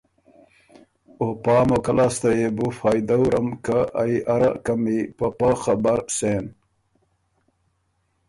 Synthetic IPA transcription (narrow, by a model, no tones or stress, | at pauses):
opɑːmokɐlaːst̪ajebufɑːjd̪awɾɐmkaa̰iʔaɾa̰kɐmipɐpaxabɐɾsen